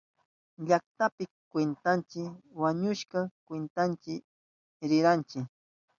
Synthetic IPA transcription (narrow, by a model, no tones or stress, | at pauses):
ʎakt̪apɪkwent̪ant͡ʃɪwaɲʊʃkɑkwent̪ant͡ʃɪ | ɾɪɾant͡ʃɪk